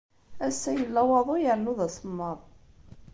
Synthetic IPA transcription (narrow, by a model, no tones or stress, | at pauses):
æsːæjəlːɑwɑðˤojəɾnuðæsˤəmːəɾˤ